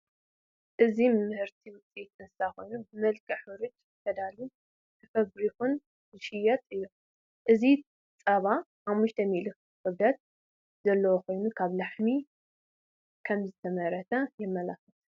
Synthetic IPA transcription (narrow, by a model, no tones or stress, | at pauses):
ʔɨzimmɨhɨɾt̪ʰiwʊt͡sʼit̪ɨnsaxo̞jnubɨmɐlkʰɐħɨɾɨt͡ʃ | t̪ʰɐd̪alu | t̪ʰɐfɐβɾixun | zɨʃɪjɐt̪ʼɨjːu | ʔɨzi | t͡sʼɐβa | ħamːuʃt̪ʰɐmilɨk | xʼɨb̪ɐt̪̚ | zɐlːɐwoko̞jnukʰaβlaħmi | kʰɐmzɨt̪ʰɐmɐɾɐt̪ʰɐjɪmːɐlafɐt̪